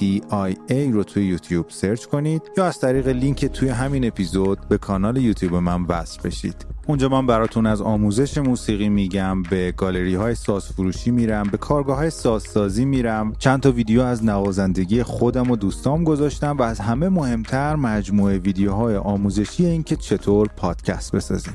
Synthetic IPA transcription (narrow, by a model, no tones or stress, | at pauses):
d̪iɑjejɾot̪ʰuːjejuːt̪ʰjub̥se̞ɾt͡ʃkʰo̞nid̪̥jɒːæz̥t̪ʰæɾiːɣe̞liŋcʰet̪ʰuːje̞ɦæmiːne̞pʰizo̞d̪̚be̞kʰɒːnɒːle̞juːt̪ʰjuːbemænvæ̰sfbe̞̰ʃḭːd̪̥und͡ʒɒːmæmbæɾɒːt̪ʰunæzɒːmuːze̞ʃe̞muːsiːɣiːmiɟæmbe̞ɡɒːle̞ɾiːhɒːjesɒːz̥fuɾuːʃiːmiːɾæmbe̞kʰɒːɾɡɒːɦɒːjesɒːzsɒːziːmiːɾæmt͡ʃʰænt̪ʰɒviːd̪ejoæznævɒːzænd̪e̞ɟijexo̞d̪æmo̞d̪uːst̪ɒːmɡo̞zɒːʃt̪æmvæːzɦæme̞mo̞he̞mt̪ʰæɾmæd͡ʒmuːe̞viːd̪ejoɦɒːjeʔɒːmuːze̞ʃiːje̞iːncʰe̞t͡ʃʰe̞t̪ʰoːɾpʰɒːd̪̥cʰæst̪̚be̞sɒ̰ːzḭːm